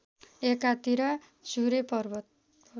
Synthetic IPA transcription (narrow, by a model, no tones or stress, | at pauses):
ekat̪iɾʌ | suɾepʌrbʌt̪